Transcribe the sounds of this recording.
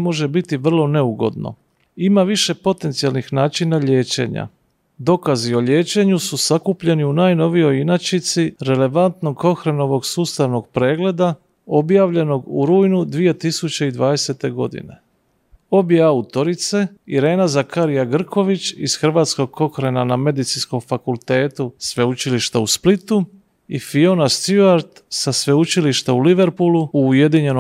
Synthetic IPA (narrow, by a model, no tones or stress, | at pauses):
mo̞ʒe̞bit̪iʋr̩lˠo̞ne̞uɡo̞̰d̪no̰ | imaʋiʃe̞po̞t̪e̞nt̪sijalˠnixnaːt͡ʃinaʎe̞ːt͡ʃe̞̰ɲa̰ | d̪o̞kazio̞ʎe̞ːt͡ʃe̞ɲususakupʎe̞niunaːjno̞ʋijo̞jinat͡ʃit̪siɾe̞le̞ʋant̪no̞ɡko̞xɾeno̞ʋo̞ɡsuːst̪aʋnoɡ̚pɾe̞ːɡle̞d̪a | o̞bjaːʋʎe̞no̞ɡṵɾuːjnud̪ʋije̞t̪isut͡ɕe̞id̪ʋaːd̪e̞se̞t̪e̞ɡo̞d̪ḭne̞̰ | o̞bjeaut̪o̞ɾit̪se̞iɾe̞ːnazakaɾijaɡr̩kʰo̞ʋit͡ɕiz̥xr̩ʋaːt̪sko̞ɡ̚ko̞xɾenaname̞d̪it̪sinsko̞mfakulˠt̪e̞ːt̪usʋe̞ut͡ʃiliʃt̪ausplit̪u | ifio̞nast̪uaɾt̪ | sasʋe̞ut͡ʃiliʃt̪auliʋe̞ɾpuluuːje̞d̪iɲe̞no